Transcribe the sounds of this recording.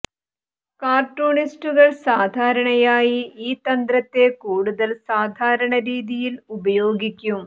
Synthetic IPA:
kaːrʈoːɳisʈuɣɐɭsaːd̪ʱaːɾɐɳɐjaːjiiːt̪ːɐnd̪ɾɐt̪ːe̞kuːɽuðɐlsaːd̪ʱaːɾɐɳɐɾiːðijilubɐjo̞ːɡikʲːum

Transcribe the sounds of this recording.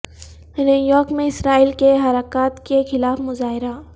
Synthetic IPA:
nijɔːkmẽɪsɾaːiːlkeɦɐɾaːkaːt̪kexɪlaːfmʊzaːɦɪɾa

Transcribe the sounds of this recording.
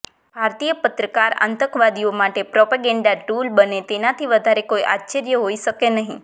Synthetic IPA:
bʱaɾt̪ijəpət̪ɾəkaɾa̰nt̪əkʋad̪iomaʈepɾopaɡɛ̃ɳɖaʈulbənet̪enat̪ʰiʋəd̪ʱaɾekoiʔa̰tːt͡ʃəɾjəɦoiʃəkenəɦĩ

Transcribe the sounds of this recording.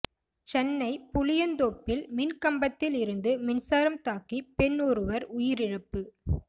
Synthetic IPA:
t͡ʃɛnːɐɪpʊlɪjɐnd̪oːpːɪlmɪnkɐmbɐt̪ːɪlɪɾɯnd̪ɯmɪnsaːɾɐmt̪aːkipɛɳːuɾɯʋɐɾʊjɪɾɪɻɯpːɯ

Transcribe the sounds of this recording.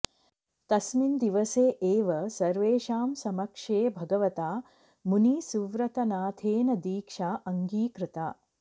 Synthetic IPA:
t̪ɐsmind̪iʋɐseːʔeːʋɐsɐɾʋeːʃaːmsɐmɐkʂeːbʱɐɡɐʋɐt̪aː | muniːsuʋɾɐt̪ɐnaːt̪ʰeːnɐd̪iːkʂaːʔɐŋɡiːkɾɪt̪aː

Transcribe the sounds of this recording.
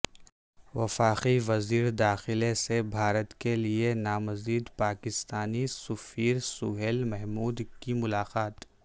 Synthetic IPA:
ʋɐfaːqiʋɐziːɾd̪aːxɪlesebʱaːɾət̪kelienaːmɐziːd̪paːkɪst̪aːnisʊfiːɾsʊɦelmɛɦmuːd̪kimʊlaːqaːt̪

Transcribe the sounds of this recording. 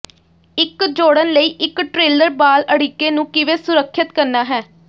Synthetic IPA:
ɪkd͡ʒoːɽənləiːʔɪkʈɾeːləɾbaːləɽiːkːeːnũːkɪʋeːsʊɾəkʰːət̪kəɾnaːɦɛː

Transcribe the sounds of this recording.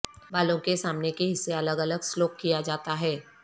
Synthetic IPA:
baːlõkesaːmnekeɦɪsːeɐləɡɐləɡsloːkːijad͡ʒaːt̪aɦɛː

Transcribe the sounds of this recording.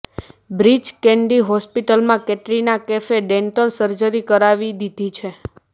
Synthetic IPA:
bɾid͡ʒkɛ̃ɳɖiɦɔspiʈəlmãkɛʈɾinakɛfeɖɛɳʈəlsəɾd͡ʒəɾikəɾaʋid̪id̪ʱit͡ʃʰe

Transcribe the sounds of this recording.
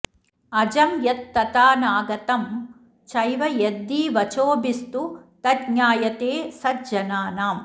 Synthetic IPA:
ɐd͡ʒɐmjɐt̪̚ːɐt̪aːnaːɡɐt̪ɐm | t͡ʃɐjʋɐjed̪ːiːʋɐt͡ʃoːbist̪ut̪ɐd̚ɲaːjɐt̪eːsɐd̪̚d͡ʒɐnaːnaːm

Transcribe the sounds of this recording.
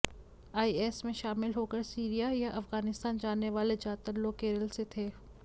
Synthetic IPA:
aːiɛːsmẽʃaːmɪlɦoːkəɾsiːɾijajaʔɐfɣaːnɪst̪aːnd͡ʒaːnːeʋaːled͡ʒaːt̪əɾloːkeːɾəlset̪ʰeː

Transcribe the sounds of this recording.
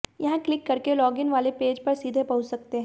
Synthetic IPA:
jɐɦãklɪkːɐɾkelɔːɡɪnʋaːlepeːd͡ʒpɐɾsiːd̪ʱepɐɦʊt͡ʃsɐk̚t̪eɦɛ̃ː

